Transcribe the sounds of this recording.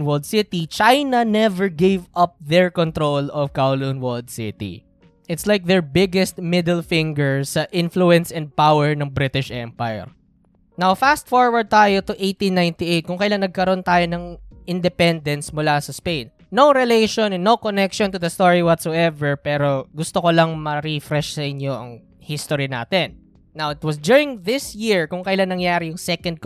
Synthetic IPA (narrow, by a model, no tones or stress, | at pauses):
nwɔld̪sɪt̪it͡ʃajnɐnɛvɛɹɡevʔɐp̚ðɛɹkɔ̃nt̪ɾolɔvkawlunwɔld̪sɪ̰t̪ḭ | ʔɪt̪slajk̚ðɛɹbɪɡɛst̪̚mɪd̪ɛlfɪ̃ŋɡəɹsɐʔɪ̃nfluɛ̃nsɛ̃nd̪̚pawɛɹnɐŋbɾɪt̪ɪʃʔɛ̃mpajɛ̰ɹ | nawfast̪̚fɔɹwɐɹd̪̚t̪aːjot̪ʊʔejt̪ĩnːajnt̪iʔejt̪̚kʊŋkɐjlaŋnɐɡ̚kɐɾoʔnt̪aːjonɐŋʔɪnd̪ɛpɛnd̪ɛnsmʊlasɐspejnːowɾɛleʃõnnːowkonɛkʃɔnt̪ʊdðɐst̪oɹiwɔt̪soʔɛvɛɹpɛːɾo̞ɡʊst̪okolɐŋmɐɾifɾɛʃsɐʔɪɲjoʔɐ̰ŋ | hɪst̪oɹina̰ːt̪ɛnː | awɪt̪wɐsd̪juɹɪ̃ŋðɪsjɪɹkʊŋkɐɪlannɐŋjaːɾɪjʊŋsɛkɐnd̪̚k